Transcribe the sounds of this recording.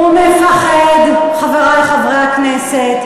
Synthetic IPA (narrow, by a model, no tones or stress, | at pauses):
umefaχɛd̪χaveʁajχavʁeaknɛsɛt̪